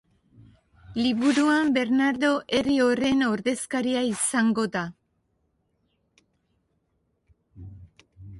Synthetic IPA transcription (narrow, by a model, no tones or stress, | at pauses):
liβuɾuambe̞ɾnaɾðo̞ʔe̞rio̞re̞no̞ɾðe̞skaɾiaisaŋɡo̞ða